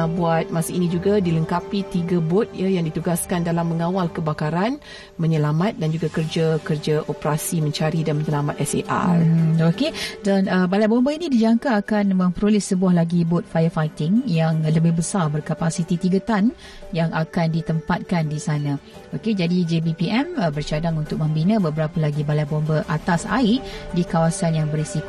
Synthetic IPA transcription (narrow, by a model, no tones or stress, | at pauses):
abuat̪̚masəinĩd͡ʒuɡadiləŋkapit̪iɡabɔt̪̚jajaŋdit̪uɡaskandalamːəŋawalkəbakaɾan | məɲəlamat̪̚dand͡ʒuɡakərd͡ʒakərd͡ʒaʔopəɾasimə̃ɲt͡ʃaɾidanməɲəlamat̪̚ɛsḛʔa̰okedanəbalajʔbombainĩdid͡ʒaŋkaːkanmə̃mpəɾolɪsəbuahlaɡibot̪̚fajəfajt̪ɪŋjaŋləbɪhbəsarbərkapasit̪it̪iɡət̪an | jaŋʔakandit̪əmpat̪̚kandisanã | oked͡ʒadid͡ʒebipiɛməbərt͡ʃadaŋunt̪ʊk̚mə̃mbinə̃bəbəɾapəlaɡibalajbɔmbəʔat̪asa̰ɪʔdikawasanjaŋbərisiko